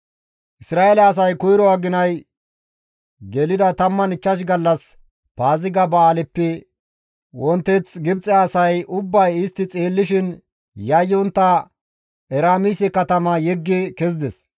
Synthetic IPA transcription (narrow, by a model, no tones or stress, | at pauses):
ʔɪsɾaːɛlɐːs̬ɐjkʊjɾɔaɡɪnɐj | ɡɛlɪd̪ɐt̪ɐmːɐnɪt͡ʃːɐʃ̬ɡɐlːɐs | paːzɪɡɐbɐːlɛpːɛ | wɔnt̪ːɛt͡sɡɪbt͡sʼɛaːsɐjʊbːɐjɪst̪ːɪt͡sʼeːlːɪʃɪn | jɐjːɔnt̪ːɐ | ɛɾaːmisɛkɐt̪ɐmɐjɛɡːekɛz̬d̪ɛs